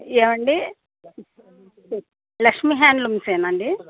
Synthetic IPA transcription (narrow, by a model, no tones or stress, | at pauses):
eːʋɐɳɖi | lɐkʂmiɦaːnlumseːnɐɳɖi